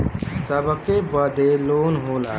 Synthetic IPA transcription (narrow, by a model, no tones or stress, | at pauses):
səbʱkebəd̪elonɦola̰